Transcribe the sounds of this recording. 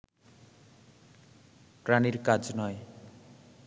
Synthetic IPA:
praniɾkad͡znʌj

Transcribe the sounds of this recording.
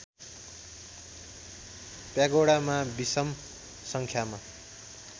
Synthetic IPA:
pjaɡoɽamabisʌm | sʌŋkʰjama

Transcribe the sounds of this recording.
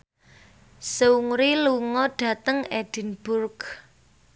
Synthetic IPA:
səuŋɾiluŋɔɖ̥ä̤t̪əŋɛɖ̥i̤nb̥ʊrk

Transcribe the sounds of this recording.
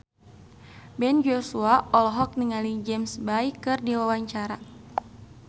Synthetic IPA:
bɛnd͡ʒosuaɔlɔɦɔk̚niŋalid͡ʒɛmsbajkɨrdiwawaɲt͡ʃaɾa

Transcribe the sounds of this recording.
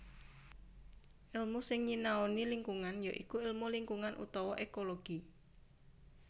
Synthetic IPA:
ʔɪlmusɪŋɲinaoniliŋkuŋanjaʔḭkuɪlmuliŋkuŋanʔṵt̪ɔwɔʔekoloɡ̥i

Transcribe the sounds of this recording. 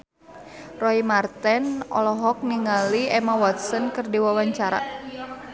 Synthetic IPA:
rɔimart̪ɛnɔ̰lɔɦɔk̚niŋaliɛmawɔt̪̚sɔnkɨrdiwawaɲt͡ʃaɾa̰

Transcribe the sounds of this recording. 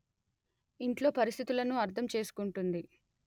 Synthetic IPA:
iɳʈlo̞ːpɐɾist̪ʰit̪ulɐnuɐɾt̪ʰɐmt͡ʃe̞ːsu̥kuɳʈund̪i

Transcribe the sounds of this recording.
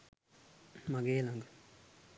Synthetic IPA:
maɡeːlaŋɡ

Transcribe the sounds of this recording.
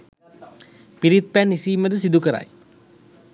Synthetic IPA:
piɾit̪̚pænːisiːməd̪əsid̪ukəɾa̰j

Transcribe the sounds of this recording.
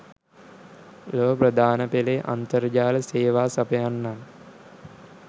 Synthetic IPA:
loːəprəd̪ʱaːnəpeleʔa̰nt̪əɾd͡ʒaːləseːʋaːsɐpəjanːan

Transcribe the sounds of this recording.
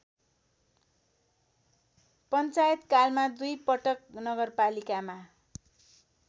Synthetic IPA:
pʌnt͡sajʌt̪kalmad̪ujpʌʈʌknʌɡʌrpalikama

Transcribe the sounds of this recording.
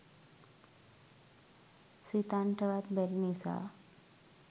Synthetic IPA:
sit̪aɳʈʰəʋat̪beɾnisa̰

